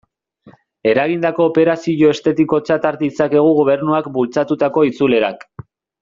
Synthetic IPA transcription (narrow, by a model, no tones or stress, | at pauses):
e̞ɾaɣ̞ind̪ako̞ːpe̞ɾasiʎo̞e̞st̪e̞t̪iko̞t͡ʃat̪aɾd̪it͡sake̞ɣ̞uɣ̞o̞β̞e̞ɾnuakbult͡sat̪ut̪ako̞it͡sule̞ɾa̰k